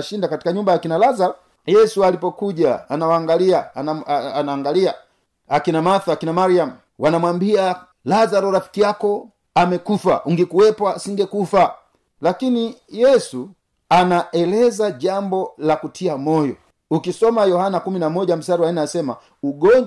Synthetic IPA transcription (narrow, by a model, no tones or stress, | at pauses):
ʃindakati̥kaɲumbajakinalazaɾɔ | jɛsualipɔkuʄaanawaːŋɡaliaaanaːŋɡalia | akinamaθuakinamaɾiam̩ | wanamwambia | lazaɾɔɾafi̥kijakɔ | amɛkufa̰ʔuŋɡikuwɛpwasiŋɡɛkufa | lakinijɛsu | anaʔɛlɛzaʄambɔlakutʰiamɔjɔ̰ | ukisɔmajɔhanakuminamɔʄam̩saɾiwaɛnɛasɛma | uɡɔɲ